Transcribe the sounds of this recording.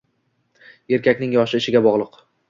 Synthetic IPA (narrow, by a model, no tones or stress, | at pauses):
e̞ɾkʲakʲnɪŋjɒʃɪɪʃɪɡʲabɒʁlˠɨq